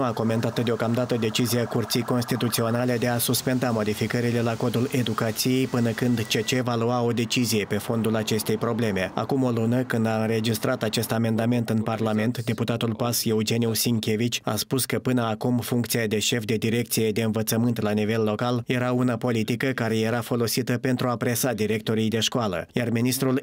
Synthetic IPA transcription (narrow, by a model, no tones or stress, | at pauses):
uako̞me̞nt̪at̪əd̪e̞o̞kamd̪at̪əd̪e̞t͡ʃizijakurt̪sijko̞nst̪it̪ut̪sio̞nale̞d̪e̞asuspe̞nd̪amo̞d̪ifikəɾile̞lako̞d̪ule̞d̪ukat̪sije̞jpɨnəkɨnd̪t͡ʃet͡ʃe̞valuao̞d̪e̞t͡ʃizije̞pe̞fo̞nd̪ulat͡ʃe̞st̪e̞jpɾo̞ble̞me̞a̰kumo̞lunəkɨnd̪aɨnɾe̞d͡ʒist̪ɾʔat̪at͡ʃe̞st̪ame̞nd̪ame̞nt̪ɨnparlame̞nt̪d̪e̞put̪at̪ulpase̞ud͡ʒe̞niusiŋkʲe̞vit͡ʃʲa̰spuskəpɨnəakumfuŋkt̪sijad̪e̞ʃe̞fd̪e̞d̪iɾe̞k̚t̪sije̞d̪e̞ɨnvət̪səmɨnt̪lanive̞lːo̞kalje̞ɾaunapo̞lit̪ikəkaɾe̞je̞ɾafo̞lo̞sit̪əpe̞nt̪ɾuapɾe̞sad̪iɾe̞k̚t̪o̞ɾijd̪e̞ʃkoalə̰jarminist̪ɾul